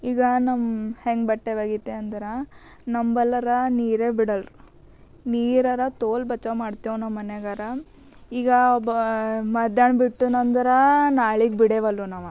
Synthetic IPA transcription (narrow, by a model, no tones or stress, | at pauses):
iːɡɐnɐmheŋɡbɐʈːeʋaːɡit̪ːeɐnd̪ɐɾɐ | nɐmbɐlːɐɾɐniːɾebiɽɐlɾu | niːɾɐɾɐt̪oːlbɐt͡ʃːɐmaːɖt̪ijonɐːɐneɡɐɾɐ | iːɡɐɔbɐmɐd̪jɐɳbiʈːunɐnd̪ɐɾɐnaːɭiɡbiɽeʋɐlːunaːʋɐ